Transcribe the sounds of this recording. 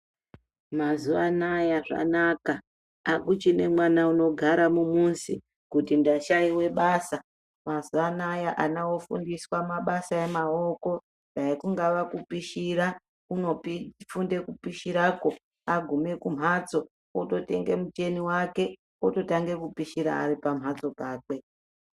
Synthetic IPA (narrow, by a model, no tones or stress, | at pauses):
mazuʋanajaʐa̰naka | akut͡ʃine̞mwanauno̞ɡʱaɾamumunsḭ | kutindaʃaiwe̞ɓaːsa | mazuanajaʔanawo̞fṵndiswamaɓasaemao̞ko̞ | ndaikuŋɡaʋakupiʃiɾa | uno̞pifunde̞kupiʃiɾaːko̞ | aɡʱume̞kum̤ʱad͡zo̞ | oto̞te̞̰ŋɡe̞̰mut͡ʃe̞niwake̞ | oto̞taŋɡe̞kupiʃiɾa̰ːɾipam̤ɦad͡zo̞paːkwe̞